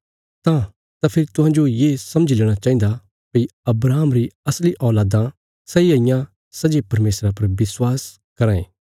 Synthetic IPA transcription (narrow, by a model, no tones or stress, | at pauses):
t̪ã | t̪apʰɪɾit̪ʊɦãːnd͡ʒojeːsɐməd͡ʒileːɽ̃at͡ʃaːĩnd̪a | piɐbɾaːmɾiɐsliʔɔːlaːd̪ã | sɐiaijã | sɐd͡ʒepɐɾmeːsɾapɐɾʋɪswaːs | kɐɾãːḛ̃ː